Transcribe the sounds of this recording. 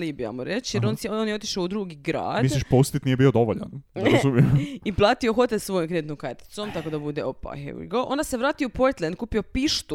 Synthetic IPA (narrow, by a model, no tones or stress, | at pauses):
libia̰moɾet͡ɕjeɾonsonjeot̪iʃaud̪ɾuːɡiɡɾa̰ːdmisliʃpost̪it̪nijebiod̪o̞ʋoʎa̰nɾazumjemiplˠaːt̪io̞xot̪elʲsʋo̞jomkɾed̪it̪nomkaɾt̪i̥t̪so̞mt̪ako̞d̪abud̪eopa̰xḛɡoʔo̞nd̪aseʋɾaːt̪iopoɾt̪lˠeend̪̚kuːpiopiʃt̪u